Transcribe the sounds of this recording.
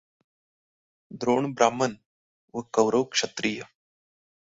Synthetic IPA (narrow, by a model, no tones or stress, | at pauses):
d̪ɾoːɳbɾaːmən | ʋəkɐwɾəwkʂɐt̪ɾiːjə